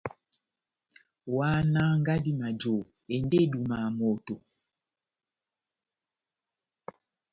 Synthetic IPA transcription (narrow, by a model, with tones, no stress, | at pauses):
wa˦na˦ŋ˦ɡa˦di˦ma˨d͡ʒo˨ | e˨nde˦du˨ma˨mo˨to˨